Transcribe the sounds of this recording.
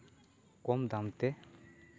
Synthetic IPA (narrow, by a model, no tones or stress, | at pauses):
komd̪amt̪e